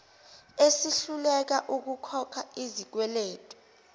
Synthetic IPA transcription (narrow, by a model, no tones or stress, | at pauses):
esiɬulɛk̬aʔuk̬ukʰɔkʰaizik̬wɛleːtʼɔ̥